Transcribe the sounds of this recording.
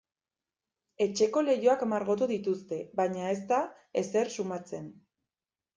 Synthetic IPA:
e̞t͡ʃe̞ko̞le̞jo̞akmaɾɣo̞t̪̬uðit̪ust̪e̞βaɲae̞s̬t̪a | e̞se̞ɾsumat͡se̞n

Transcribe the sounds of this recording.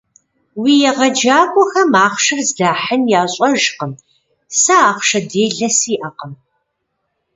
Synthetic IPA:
wiːjɛʁɐd͡ʒaːkʷʼɔxɐmaːχʷʂɨrzɮaːħənjaːɕʼɔʒqəm | sɐaːqʷʃɐdeːɮɐsiːʔɐqəm

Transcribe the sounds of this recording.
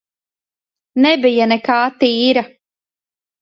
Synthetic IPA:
nɛbijanɛkaːt̪iːɾa

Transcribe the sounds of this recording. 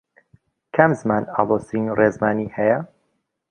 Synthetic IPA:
kʰɐmzmaːna̰ːlˠosinrʔezmaːniːhɛjɐ

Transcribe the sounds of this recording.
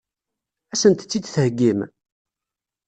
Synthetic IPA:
æsənt̪ət͡sːid̪θəhɡːim

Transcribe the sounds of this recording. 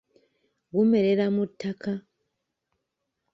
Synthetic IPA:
ɡumeɾeɾamutʰːakʰa

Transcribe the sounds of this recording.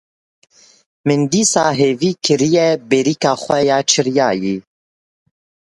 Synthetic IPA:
mɨnd̪iːsɑːɦeːviːkʰɨɾijɛbeɾiːkɑːxʷɛjɑːt͡ʃʰɨɾijɑːjiː

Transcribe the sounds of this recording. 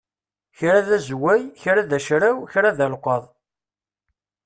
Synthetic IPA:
çɾaðæzwæjçɾaðæʃɾæwçɾaðælqəðˤ

